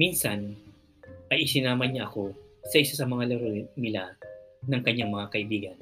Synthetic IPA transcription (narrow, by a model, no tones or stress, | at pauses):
minsɐn | ʔɐjʔɪsɪnaːmɐɲaʔɐko̞sɐʔɪsasɐmɐŋalɐɾonɪlanɐŋkɐɲːaŋmɐŋakɐʔɪbiːɡɐn